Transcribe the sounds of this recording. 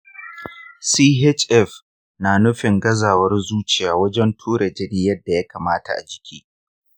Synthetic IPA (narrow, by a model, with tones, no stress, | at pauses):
siː˦ɦɛ˦t͡ʃʼʔɛ˦˨f | naː˨nʊ˦ɸɪ˨ŋɡɐ˦zaː˨wɐ˦rzuː˦t͡ʃɪ˨jaː˨wɐ˦d͡ʒɛ˦ntʰuː˦ɽɐ˨d͡ʒɪ˦ɽiː˦jɐ˦dːa˨ja˦kaː˨maː˦ta̰˨ʔa̰˨d͡ʒɪ˨kʲiː˦